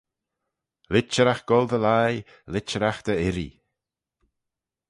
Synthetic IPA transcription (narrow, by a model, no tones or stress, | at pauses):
lɪt͡ʃəɾaxɡ̥ɔlˠdəlaj | lɪt͡ʃəɾaxd̪̥əɪɾḭ